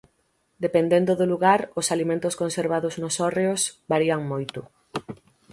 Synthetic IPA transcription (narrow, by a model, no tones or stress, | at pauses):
d̪epend̪end̪ʊðʊluɣaɾʊsalimẽnt̪ʊskonseɾβaðʊznʊsɔreʊsbaɾiaŋmojt̪ʊ